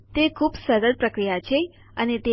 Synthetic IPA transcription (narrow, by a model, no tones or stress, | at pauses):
t̪ekʰuːbsəɾəɾpɾəkɾijat͡ʃʰe | ənet̪e